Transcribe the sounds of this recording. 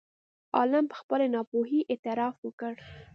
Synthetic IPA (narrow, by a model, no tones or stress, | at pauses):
ɑ̰lampə̥xpəlenɑpoɦiʔet̪ɪɾɑfwəkəɽ